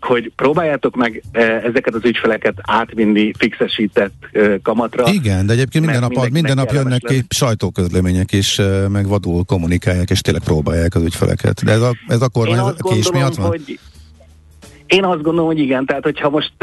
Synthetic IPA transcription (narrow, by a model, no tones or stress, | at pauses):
ho̞ɟpɾoːbaːjːaːt̪o̞kmɛɡɛzɛkɛt̪ɒzycfɛlɛkɛt̪aːt̪ʋinːifiksɛʃiːt̪ɛt̪ːøːkɒmɒt̪rɒiɡɛnd̪ɛɛɟeːp̚kenind̪ɛnːɒpɒmind̪ɛnːɒpjønːɛkːiʃɒjt̪oːkøzlɛmeːɲɛkiʃmɛɡʋɒd̪uːlko̞mːunikaːjːaːkeːʃt̪eːnlːɛkproːbaːjːaːkɒzycfɛ̰lʔɛ̰kɛ̰t̪d̪ɛɛzɒɛzɒko̞rmaːɲzkeʃmiɒʋɒno | eːnɒzd̪̚ɡond̪olomhoɟiɡɛnt̪ɛɦaːt̪ho̞chɒmo̞ʃt̪